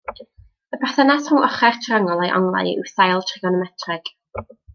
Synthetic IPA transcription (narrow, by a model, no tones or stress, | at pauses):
əbaθənashɔŋɔχɛrtʰraŋɔlˠejʔa̰ŋlˠa̰jɪ̰wθajlˠtʰrɪɡɔnɔmɛtʰrɛɡ̥